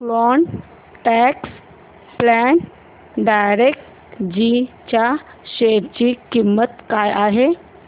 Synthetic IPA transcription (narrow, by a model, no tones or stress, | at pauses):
lɔɳ | ʈɛks | plɛn | ɖajɾek̚ʈ | d͡ʑit͡ɕja | ɕeɾt͡ɕikimːət̪kajaɦe